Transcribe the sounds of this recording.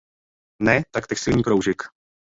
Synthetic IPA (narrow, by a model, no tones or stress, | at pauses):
nɛt̪akt̪ɛkst̪ɪlɲiːkɾowʒɪk